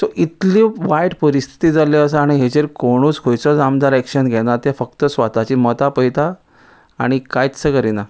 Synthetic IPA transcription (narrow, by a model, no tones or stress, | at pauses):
t̪ɔʔit̪liːʋajʈpəɾist̪ʰi̥t̪iːd͡zaleəsəaɽ̃iɦet͡ɕeɾkoɽ̃uːt͡skʰojt͡sɔd͡zamd̪aɾɛkʂənɡʱɛnat̪efək̚t̪əsʋat̪at͡ɕiːmət̪apəjt̪a̰ː | ɽ̃ikajtsəkəɾina